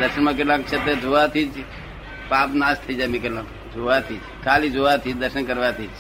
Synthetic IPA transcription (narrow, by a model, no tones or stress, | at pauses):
d̪əɾʃənmãk̬eʈlãk̚t͡ʃʰet̪ed͡ʒʱuʋat̪ʰid͡ʒ | pãːpnaːst̪ʰəid͡ʒajmĩkeʈlãːk | d͡ʒʱoʋat̪ʰiːd͡ʒkʰaːlid͡ʒʱoʋat̪ʰid͡ʒd̪əɾʃənkəɾʋat̪ʰiːd͡ʒ